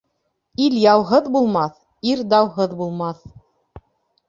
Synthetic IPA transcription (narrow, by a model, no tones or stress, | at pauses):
iljɑwɦɤðbulˠmɑθ | iɾd̪ɑwɦɤðbulˠmɑθ